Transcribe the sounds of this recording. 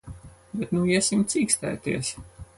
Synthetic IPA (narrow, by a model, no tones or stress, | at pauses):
bɛt̪nuiɛsimt̪siːkst̪æ̰ːt̪ḭɛs